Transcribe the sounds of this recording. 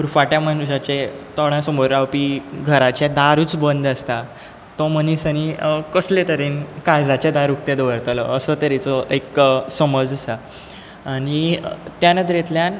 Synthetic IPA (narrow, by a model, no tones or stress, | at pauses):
uɾfaʈjamanɕat͡ɕet̪ɔɽjãsəmoɾːawpiːɡʱəɾat͡ɕad̪aɾuːt͡sbənd̪əst̪a | t̪ɔm̤əñiːsañikəslet̪əɾenkajd͡zat͡ɕad̪aɾuk̚t̪ed̪ʋəɾt̪alɔ̰əsət̪əɾit͡sɔʔeksəməd͡zəsaː | ɽ̃it̪janəd̪ɾjet̪ljan